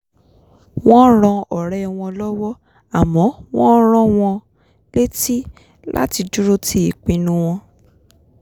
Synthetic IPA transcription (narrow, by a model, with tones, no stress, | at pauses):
w̃ɔ̃˦ɾ̃ɔ̃˧ɔ˨ɾɛ˦˧w̃ɔ̃˧lɔ˦wɔ˦ | a˨mɔ̃˨˦w̃ɔ̃˦ɾ̃ɔ̃˦w̃ɔ̃˧ | le˦ti˦ | la̰˦ti˧d͡ʒu˦ɾo˦ti˦i˨k͡pĩ˨˧nũ˦w̃ɔ̃˧